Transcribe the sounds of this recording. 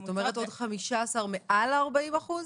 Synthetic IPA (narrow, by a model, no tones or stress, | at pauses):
t̪ome̞ʁeto̞dχamiʃaːsaʁmeʔalaʁbaimaχuz